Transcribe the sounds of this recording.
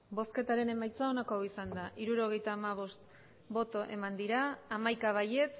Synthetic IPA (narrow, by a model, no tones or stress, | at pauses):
bo̞ske̞t̪aɾe̞ne̞majt͡sao̞nako̞awisand̪aʔiɾuɾo̞ɣ̞e̞jt̪aːmaβ̞o̞st̪ | bo̞t̪o̞ʔe̞̰mand̪iɾaːmajkaβaje̞t͡s